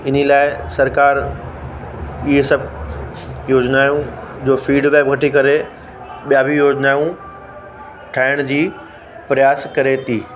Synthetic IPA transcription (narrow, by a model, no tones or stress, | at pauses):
ɪnilaːɪsɐɾkaːɾ | iɦesɐb | joːd͡ʑnaːjũd͡ʑoːfiːɖʋɛːb̚ɡʱɐʈikɐɾe | ɓijabʱijoːd͡ʑnaːjũ | ʈʰaːɪɽ̃d͡ʑiː | pɾɪjaːskɐɾet̪ʰiː